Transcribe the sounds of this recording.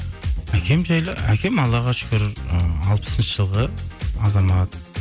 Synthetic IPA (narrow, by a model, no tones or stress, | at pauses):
ækʲʰe̞mʒɑjækʲʰe̞mɑlˠɑʁɑʃʏ̥kʲɪɾɪɑlˠpə̥sənʃəʒəlˠʁəɑzɑmɑt̪